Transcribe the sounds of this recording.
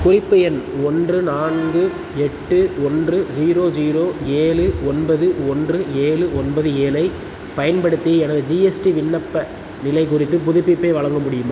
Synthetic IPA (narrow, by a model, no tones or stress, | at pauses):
kʊrɪpːɐjɛnɔndrɯnaːnɡɯ | ɛʈːɯɔndrɯd͡ʒiːɾoːd͡ʒiːɾoːeːlɯɔnbɐðɯɔndrɯeːlɯɔnbɐðɯeːlɐɪ | pɐjɐnpɐɽɯt̪ːiɛnɐðɯd͡ʒiɛsʈiʋɪɳːɐpːɐ | nɪlɐɪkʊrɪt̪̬ːɯpʊðɪpːɪpːɐɪʋɐɭɐŋɡɯmʊɽɪjɯmɐ